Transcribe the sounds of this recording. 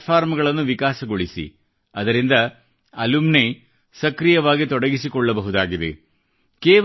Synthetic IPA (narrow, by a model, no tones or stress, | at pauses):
fʰaːɾmɐɡɐɭɐnːuʋikaːsɐɡoɭisḭ | ɐd̪ɐɾind̪ɐ | ɐlumne | sɐkɾijɐʋaːɡit̪ɔɽɐɡisikɔɭːɐbɐɦud̪aːɡid̪ḛ | kɛː